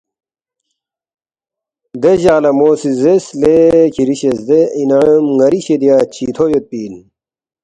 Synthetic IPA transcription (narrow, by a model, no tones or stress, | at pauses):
d̪eʑaːlɐmoːsizeslekʰiɾiɕesd̪einɐmŋɐɾiɕed̪ijaːt͡ɕʰiːt̪ʰojot̪̚piːl